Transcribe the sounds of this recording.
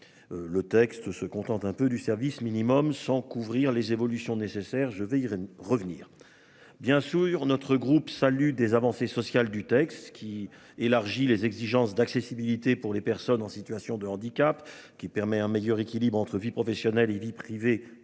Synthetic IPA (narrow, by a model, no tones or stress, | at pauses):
lət̪ɛkst̪səkɔ̃t̪ɑ̃t̪ɛ̃pød̪ysɛʁvisminimɔmsɑ̃kuvʁiʁlezevɔlysjɔ̃nesesɛʁʒəvɛiʁəvnḭːʁ | bjɛ̃syʁnɔt̪χəɡʁupsalyd̪ezavɑ̃sesɔsjald̪yt̪ɛkst̪kʲʰi | elaʁʒilezɛɡziʒɑ̃sd̪aksesibilit̪epuʁlepɛʁsɔnɑ̃sit̪ɥasjɔ̃d̪əɑ̃d̪ikʲap | kʲipɛʁmɛɛ̃mejœʁekʲilibʁɑ̃t̪χəvipχɔfɛsjɔnɛlevipχive